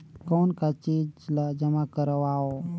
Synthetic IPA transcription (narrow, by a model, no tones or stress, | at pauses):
kɔːnkat͡ʃiːd͡ʒlad͡ʒəmakəɾəʋaːo